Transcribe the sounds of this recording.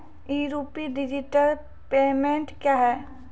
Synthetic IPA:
iːɾuːpiɖɪd͡ʒiʈəl | peːmẽɳʈkjaːɦɛː

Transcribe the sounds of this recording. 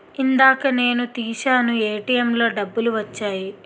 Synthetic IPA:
ind̪aːkɐne̞ːnut̪iːʃaːnue̞ːʈijemlo̞ːɖɐbːuluʋɐt͡ʃːaːji

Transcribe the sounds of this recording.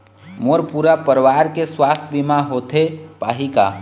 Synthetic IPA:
moɾpuɾapəɾʋaɾkeswast̪ʰbimaɦot̪ʰepaːɦika̰

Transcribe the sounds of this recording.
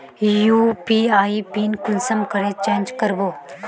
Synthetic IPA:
juːpiaːipiːnkʊnsəmkəɾet͡ʃẽːnd͡ʒkəɾboː

